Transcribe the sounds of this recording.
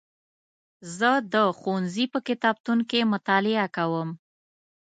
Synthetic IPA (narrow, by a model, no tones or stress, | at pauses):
zəd̪əxonzipəkɪt̪ɑb̚t̪unkemʊt̪ɑlɪakawəm